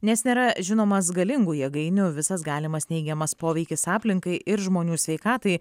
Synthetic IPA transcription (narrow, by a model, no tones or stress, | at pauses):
nʲɛsnʲeːɾɐʒʲɪnoːmɐs̬ɡɐlʲɪŋɡuːjɛɡɐɪnʲʊʋʲɪsɐs̬ɡɑːlʲɪmɐsnʲɛɪɡʲɛmɐspoːʋʲɛɪkʲɪsɑːpʲlʲɪŋkɐɪʔɪɾʒmoːnʲuːsʲʋʲɛɪkɑːt̪ɐɪ